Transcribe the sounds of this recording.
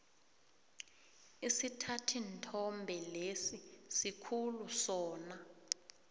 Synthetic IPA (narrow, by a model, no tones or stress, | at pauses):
isitʰatʰintʰɔmbʱɛlesisikʰulusɔːna